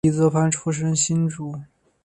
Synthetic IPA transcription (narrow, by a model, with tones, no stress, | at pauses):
i˧˩t͡sɤ˧˥pʰa˥nʈ͡ʂʰu˥ʂ̬ə˥nɕi˥nʈ͡ʂu˧˩